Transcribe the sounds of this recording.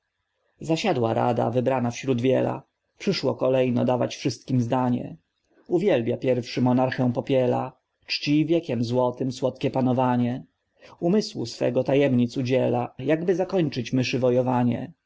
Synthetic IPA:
zaɕad̪waɾa̰d̪a̰vɘbɾanafɕɾud̪vʲjɛ̰la̰ | pʂɘʂwɔkɔlɛjnɔ̰d̪ava̰t͡ɕfʂɘst̪kʲimzd̪aɲɛ̰ | uvʲjɛlbʲjapʲjɛɾfʂɘmɔnaɾxɛ̃pɔpʲjɛla | t͡ʂt͡ɕivʲjɛkʲɛmzwɔt̪ɘmswɔt̪kʲɛpanɔvaɲɛ | umɘswṵsfɛ̰ɡɔt̪ajɛmɲit̪sud͡ʑɛlajaɡbɘzakɔɲt͡ʂɘt͡ɕmɘʂɘvɔjɔvaɲɛ̰

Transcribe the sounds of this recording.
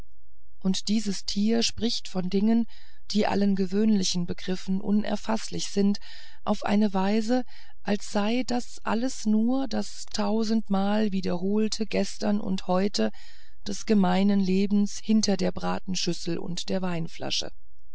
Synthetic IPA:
ʔʊntd̥iːzəstʰiːɐʃpʁ̥ɪçtfɔndɪŋən | d̥iːʔa̰lənɡəvøːnlɪçn̩bəɡʁɪfn̩ʔʊ̰nʔɛ̰ɐfaslɪçz̥ɪnt | ʔa̰ʊfʔa̰ɪnəvaɪzə | ʔalsz̥aɪdasʔa̰ləsnuːɐdas | tʰaʊzn̩tmaːlviːdɐɦoːltʰəɡɛstɐnʔʊ̰nthɔʏtʰə | d̥ɛsɡ̥əmaɪnənleːbm̩shɪntɐdeːɐbʁaːtn̩ʃʏsl̩ʔʊ̰ntd̥eːɐvaɪnfla̰ʃə̰

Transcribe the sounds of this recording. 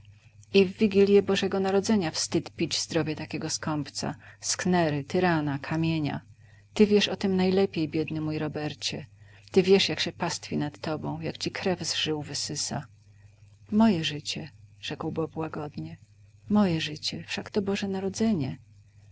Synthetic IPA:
ivːʲiɡʲilʲjɛbɔʐɛɡɔnaɾɔd̪zɛɲafst̪ɘt̪pʲid͡ʑzd̪ɾɔvʲjɛt̪akʲɛɡɔskɔmpt̪sa̰sknɛɾɘt̪ɘɾanakʰamʲjeɲa̰ | t̪ɘvʲjɛʂɔt̪ɘmnajlɛpʲjejbʲjɛd̪nɘmujɾɔbɛɾt͡ɕɛ | t̪ɘvʲjɛʂjakɕɛpast̪fʲinat̪ːɔbɔ̃w̃jakt͡ɕikɾɛvzʐɘwvɘsɘsa̰ | mɔjɛʐɘt͡ɕɛʐ̥ɛkwbɔpwaɡɔd̪ɲɛ | mɔjɛʐɘt͡ɕɛfʂakt̪ɔbɔʐɛnaɾɔd̪zɛɲɛ

